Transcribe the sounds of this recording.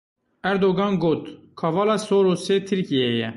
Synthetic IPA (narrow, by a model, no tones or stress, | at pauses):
æɾd̪oɡɑnɡoːt̪ | kʰɑvɑlɑsoːɾoset̪ʰiɾkiejɛ